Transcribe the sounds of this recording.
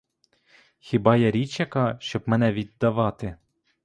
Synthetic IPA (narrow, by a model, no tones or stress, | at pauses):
xʲɪbɑjaɾʲit͡ʃʲɐkɑʃt͡ʃɔbmɛnɛʋʲid̪ːɐʋɑt̪ɪ